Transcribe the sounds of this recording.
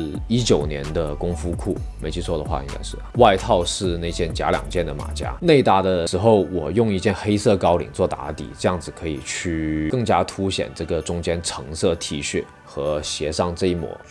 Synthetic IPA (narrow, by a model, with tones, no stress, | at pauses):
i˥t͡ɕjo˨˩ʊnjɛ̰˧˥nd̪ə˧kʊ˥ŋfu˥kʰu˥˩ | me˧˥ɪt͡ɕʰy˥˧t͡sʰwɔ˥d̪ə˨˧xwa̰˥˧i˥ŋɡa̰˥ɪʂɻ̩˥˩wa˥˧ɪt̪ʰɑ˥˧ʊʂɻ̩˥˧ne˥˧ɪt͡ɕjɛ˥˩nt͡ɕja̰˧˥ljɑ̰˨˩ŋt͡ɕjɛ˥˩nd̪ə˩ma̰˨˩t͡ɕja̰˥ne˥˧ɪt̪a˥˩d̪ə˩ʂɻ̩˧˥xo˥˩ʊwɔ˨˩jʊ˥˧ŋi˥˧t͡ɕjɛ˥˧nxe˥ɪsɤ˥˩kɑ˥ʊlḭ˨˩ŋt͡swɔ˥˩t̪a̰˧˥t̪ḭ˨˩ʈ͡ʂɤ˥˧jɑ˥˩ŋd͡zɹ̩˨˩kʰɤ˧˥ḭ˨˩t͡ɕʰy˥˩kɤ˥˩ŋt͡ɕja˥t̪ʰu˧˥ɕjɛ̰˨˩nʈ͡ʂɤ˥˩ɡə˩ʈ͡ʂʊ˥ŋt͡ɕjɛ˥nʈ͡ʂʰɤ˧˥ŋsɤ˥˩t̪ʰi˧˥ɕy˥˩ | xɤ˧˥ɕjɛ˧˥ʂɑ˥˧ŋʈ͡ʂɤ˥˧i˥˩mwɔ̰˨˧˥